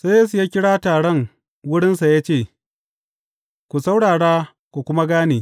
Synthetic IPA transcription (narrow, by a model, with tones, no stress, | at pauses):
sa˦jeː˦s̬u˨jaː˦kʲɪ˦ɽaː˦taː˨ɽɛ˦˨ŋ | wʊ˦ɽɪ˦nsa˨jaː˦t͡ʃeː˦˨ | kʷu˨sa˦wɽaː˨ɽaː˦ | kʷu˨kʷʊ˦ma˦ɡaː˦neː˨